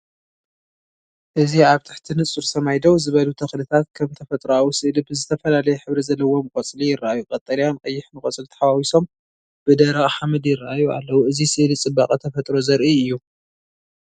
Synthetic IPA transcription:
ʔɨziʕaβt̪ʰɨħt̪ʰinɨt͡sʼuɾsʰɐmajd̪owzɨβɐlut̪ʰɐxlɨt̪ʰat̪̚kʰɐmt̪ʰɐfɐt̪ʼɾawusɨʔlibɨzɨt̪ʰɐfɐlalɐjɛħɨβɾizɐlːɐwːo̞mɨkʼɐt͡sʼlijɪrːaʔajukʼɐt̪ʼɐlijanqʼɐjːɪħnɨkʼɐt͡sʼɨlt̪ʰɐ̥ħawawiso̞m | b̥ɨd̪ɐɾɐɣʼħamɨd̪jɪrːaʔajua̰lːɐwuʔɨzisɨʔlit͡sʼɨbːaqʼɐt̪ʰɐfɐt̪ʼɾo̞zɐɾʔiɨjːu

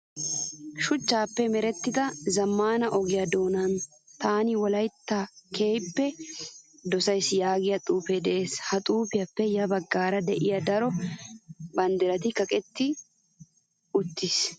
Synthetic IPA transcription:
ʃʊt͡ʃːaːpːɛmɛɾɛt̪ːɪd̪ɐzɐmːaːnɐʔɔɡɪjɐd̪o̞ːnɐn | t̪aːnɪwɔlɐjt̪ːɐkʰe̞ːjpːɛ | d̪ɔsɐjsjaːɡɪjɐt̪ʼuːped̪ɛʔe̞ːshɐt̪ʼuːpɪjɐpːɛjɐbɐɡːaːɾɐd̪ɛʔɪjɐd̪ɐɾɔ | bɐnd̪ɪɾɐt̪ɪkɐkʼɛt̪ːɪ | ʊt̪ːɪs

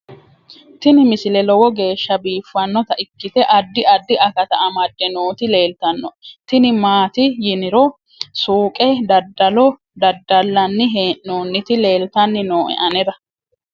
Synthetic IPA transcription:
t̪ɪnɪmɪsɪlɛlɔwɔɡe̞ːʃːɐbiːfːɐnːɔt̪ɐʔɪkːɪt̪ɛʔɐd̪ːɪʔɐd̪ːɪʔɐkɐt̪ɐʔɐmɐd̪ːɛnoːt̪ɪle̞ːlt̪ɐnːɔt̪ɪnɪmaːt̪ɪjɪnɪɾɔ | suːkʼɛd̪ɐd̪ːɐlɔ | d̪ɐd̪ːɐlːɐnːɪɦeːʔnoːnːɪt̪ɪle̞ːlt̪ɐnːɪnoːʔɛ̰ʔɐnɛd̪ɐ

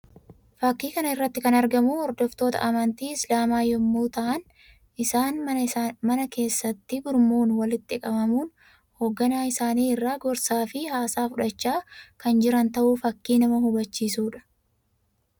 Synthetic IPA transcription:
fɐkːiːkɐnɐɪrːɐt̪ːɪkɐnɐɾɡɐmuɔɾd̪ɔft̪o̞ːt̪ɐ̰ʔɐmɐnt̪iːɪslaːmaːjɔmːuːt̪ɐʔɐn | ʔɪsaːnmɐnɐke̞ːsːɐt̪ːɪɡʊɾmoːnwɐlɪt̪ːɪkʼɐbɐmuːn | ho̞ːɡːɐnaːɪsaːniːɪrːaːɡɔɾsaːfɪhaːsaːfʊᶑɐt͡ʃːaːkɐnd͡ʒɪɾɐnt̪ɐʔuːfɐkːiːnɐmɐhʊbɐt͡ʃːiːsuːᶑɐ̥

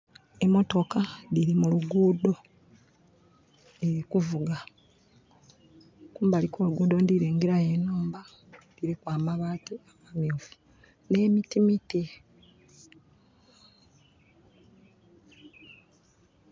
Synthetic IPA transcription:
e̞mo̞to̞kaliɾimuluɡuːdo̞ | e̞ɾikuvuɡa | kuːmbalikʰoːluɡuːdo̞ndiɾeːŋɡeɾajenoːmba | liɾikwaːmaβaːtiawaːmiofu̥ | ne̞ːmitimiti

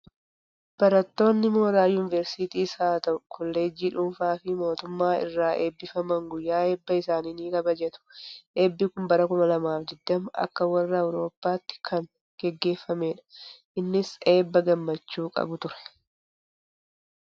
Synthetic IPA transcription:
b̥ɐɾɐt̪ːo̞ːnːɪmo̞ːɾaːjʊnɪvɛɾsit̪iːsaːt̪ɐʔʊkʰɔlːeːd͡ʒiːᶑʊːmfaːfɪmo̞ːt̪ʊmːaːɪ̰rːaːʔe̞ːbːɪfɐmɐŋɡʊjːaːe̞ːbːɐɪsaːniːniːkɐbɐd͡ʒɛt̪ʊ̥ʔe̞ːbːɪkʊmbɐɾɐkʊmɐlɐmaːfd̪ɪd̪ːɐmʊʔɐ̰kːɐwɐrːɐɐwɾo̞ːpːaːt̪ːɪ̥kʰɐŋ | ɡ̥ɛɡːe̞ːfːɐme̞ːᶑɐ̥ʔɪnːɪse̞ːbːɐɡɐmːɐt͡ʃːuːkʼɐ̰bʊt̪ʊɾɛ̥

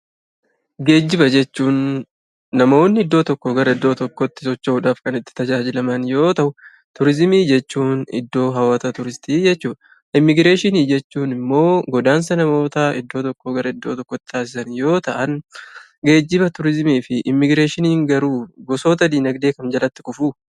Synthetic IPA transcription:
ɡe̞ːd͡ʒːɪbɐd͡ʒɛt͡ʃːuːnː | ɐmo̞ːnːɪɪd̪ːo̞ːt̪ɔkːɔɡɐɾɐɪd̪ːo̞ːt̪ɔkːɔt̪ːɪ̥sɔt͡ʃːɐuːᶑaːfkɐnɪt̪ːɪ̥t̪ɐd͡ʒaːd͡ʒɪlɐmɐnjo̞ːt̪ɐʔʊ | t̪ʊɾɪzmiːd͡ʒɛt͡ʃːuːnɪ̰d̪ːo̞ːɦɐwaːt̪ɐt̪ʊɾɪst̪iːd͡ʒɛt͡ʃːuːʔ | ʔɪmːɪɡɾe̞ːʃɪniːd͡ʒɛt͡ʃːuːnɪmːo̞ːɡɔd̪aːns̬ɐnɐmo̞ːt̪ɐɪd̪ːo̞ːt̪ɔkːoɡɐɾɐɪd̪ːo̞ːt̪ɔkːɔt̪ːɪ̥t̪ʰaːs̬ɪsɐnjo̞ːt̪ɐʔɐn | ɡe̞ːd͡ʒːɪbɐt̪ʊɾɪzmiːfɪʔɪmːɪɡɾe̞ːʃɪniːŋɡɐɾuːbɔso̞ːt̪ɐd̪iːnɐɡd̪e̞ːkɐnd͡ʒɐlɐt̪ːɪ̥kʊfuː

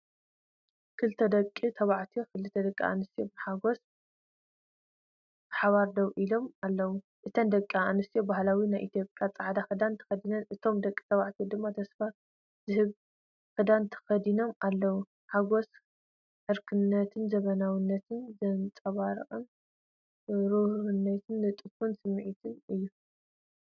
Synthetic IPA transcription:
kʰɨlt̪ʰɐd̪ɐkʼːit̪ʰɐβaʕt̪ʰijokɨlɨt̪ʰɐd̪ɐkʼːḭa̰nɨst̪ʰijobħaɡo̞s | ħaβaɾd̪ɐwʔilo̞malːɐwu | ʔɨt̪ʰɐnd̪ɐkʼːianɨst̪ijobahlawinajʔit̪ʰijo̞pʼjat͡sʼaʕd̪axɨd̪ant̪ʰɐ̥xɐd̪inɐnʔɨt̪ʰo̞md̪ɐkʼːi̥t̪ʰɐβaʕt̪ʰijod̪ɨmːat̪ʰɐsfa | zɨhɨβ | xɨd̪ant̪ʰɐ̥xɐd̪ino̞malːɐwu | ħaɡo̞s | ħɨɾkʰɨnːɐt̪ʰɨnzɐβɐnawinːɐt̪ʰɨnzɐnt͡sʼɐβaɾ̰ʔʼɨn | ɾuhɨnːɐt̪ʰɨnːɨt̪ʼɨfunsɨmːʕit̪ʰɨnɨjːu

